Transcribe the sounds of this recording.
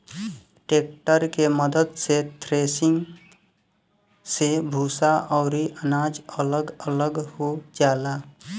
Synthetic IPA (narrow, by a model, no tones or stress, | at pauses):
ʈeːk̚ʈəɾkeməd̪əd̪set̪ʰɾesiŋɡ | sebʱuːsaʔɔʊɾiʔənad͡ʒələɡələɡhod͡ʒaːla